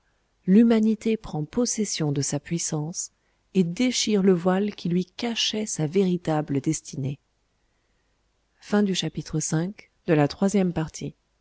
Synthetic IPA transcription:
lymanit̪epχɑ̃pɔsɛsjɔ̃d̪əsapɥisɑ̃s | ed̪eʃiʁləvwalkʲʰilɥikaʃɛsaveʁit̪abləd̪ɛst̪ʰine | fɛ̃d̪yʃapit̪χəsɛ̃k | d̪̥əlat̪χwazjɛmpaʁt̪ʰi

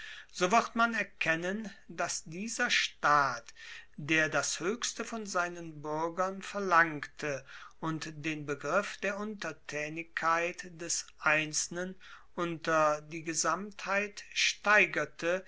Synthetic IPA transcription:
z̥ovɪʁtmanɛɐkʰɛnəndasd̥iːzɐʃtaːtd̥eːɐdashøːçstəfɔnzaɪnənbʏɐɡɐnfɛɐlaŋktʰəʔʊntd̥eːnbəɡʁɪfd̥eːɐʔʊntɐtʰɛːnɪçkʰːaɪtd̥ɛsʔaɪnt͡s̩ən | ʔʊntɐdiːɡəzamthaɪtʃtaɪɡɐtʰə

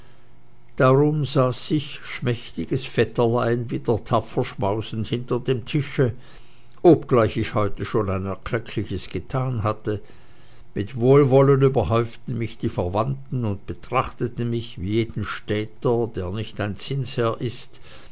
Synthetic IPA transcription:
d̥aʁʊmzaːsɪçʃmɛçtɪɡəsfɛtɐlaɪnviːdeɐtʰapfɐʃmaʊsn̩thɪntɐdeːmtʰɪʃə | ʔopɡ̥laɪçɪçhɔʏtəʃoːnaɪnɛɐkʰlɛkʰlɪçəsɡ̥ətʰaːnɦatə | mɪtvoːlvɔlənyːbɐɦɔʏftn̩mɪçd̥iːfɛɐvantn̩ʊnt̚b̥ətʁ̥aχtətn̩mɪçviːjeːd̥n̩ʃtɛːtɐdeːɐnɪçtaɪnt͡sɪnshɛːɐʔɪst

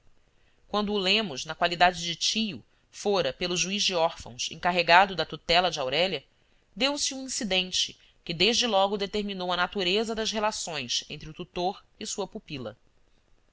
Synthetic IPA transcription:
kwɐ̃nd̪ʊːlẽmʊznɐkwalid̪ad͡ʒɪd͡ʒɪt͡ʃijʊ | foɾɐpelʊʒuizd͡ʒɪɔɾfɐ̰̃w̃sḛ̃ŋkaɦeɡad̪ʊd̪ɐt̪ut̪ɛlɐd͡ʒɪawɾɛlɐ | d̪ewsɪũĩsid̪ẽnt͡ʃɪ̥ | kɪd̪eʒd͡ʒɪlɔɡʊd̪et̪eɾminowɐnat̪uɾezɐd̪ɐsɦelasõj̃sḛ̃nt̪ɾɪʊt̪ut̪oɾ | ɪsuɐpupilɐ̰

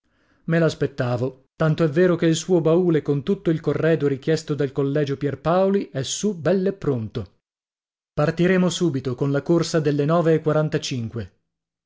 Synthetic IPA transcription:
melaspet̪ːaːvot̪ant̪oɛvːeːɾokeilsuːobauːlekont̪ut̪ːoilkorːɛːd̪oɾik̟jɛst̪od̪elkolːɛːd͡ʒopjɛrpaoliʔɛsubɛlːepːɾont̪o | part̪iɾeːmosuːbit̪okonlakorsad̪elːenɔːveːkwaɾant̪at͡ʃiŋkwe

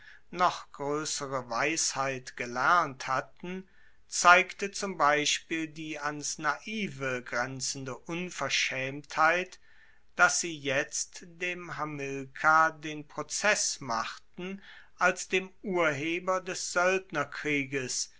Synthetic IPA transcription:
nɔχɡ̥ʁøːsəʁəvaɪshaɪtɡ̥əlɛɐnthatn̩ | t͡saɪktət͡sʊmbaɪʃpiːldiːansnaʔiːvəɡʁɛnt͡sn̩dəʔʊnfɛɐʃɛːmthaɪt | d̥asz̥iːjɛt͡std̥eːmɦamɪlkʰadeːnpʁ̥ot͡sɛsma̰χtn̩ | ʔalsd̥eːmʔuːɐɦeːbɐdɛsz̥œltnɐkʁ̥iːɡəs

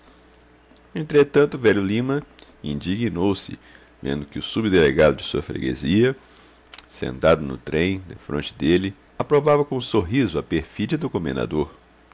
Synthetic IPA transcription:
ẽnt̪ɾet̪ɐ̃nt̪ʊvɛʎjʊlĩmɐ | ḭ̃nd͡ʒiɡinowsɪ̰ | vḛ̃nd̪ʊkɪʊsubɪd̪eleɡad̪ʊd͡ʒɪsuɐfɾḛɡḛziɐ | sḛ̃nt̪ad̪ʊnʊ̰t̪ɾẽj̃d̪efɾõ̰nt͡ʃɪ̥d̪elɪ | apɾovavɐkõũsoɦizʊɐpeɾfid͡ʒɐd̪ʊkõmẽnd̪a̰d̪oɾ

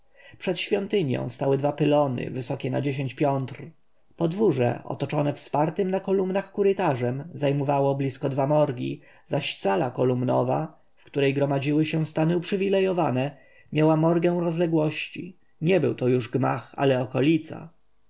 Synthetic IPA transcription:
pʂɛt̪ɕfʲjɔnt̪ɘɲjɔ̰̃w̃st̪awɘd̪vapɘlɔnɘ̰vɘsɔkʲɛna̰d͡ʑeɕ̬eɲt͡ɕpʲjɔnt̪ɾ | pɔd̪vuʐɛ̰ʔɔ̰t̪ɔt͡ʂɔnɛfspaɾt̪ɘmnakɔlumnaxkuɾɘt̪aʐɛmzajmɔvawɔblʲiskɔd̪vamɔɾɡʲḭ | zaɕt̪salakɔlumnɔ̰va | fkt̪uɾɛjɡɾɔmad͡ʑiwɘɕɛ̃st̪anɘupʂɘvʲilɛjɔvanɛ | mʲjawamɔɾɡɛw̃ɾɔzlɛɡwɔɕt͡ɕi | ɲɛbɘ̰wt̪ɔjuʐɡma̰xa̰lɛɔkɔlʲit̪sa̰

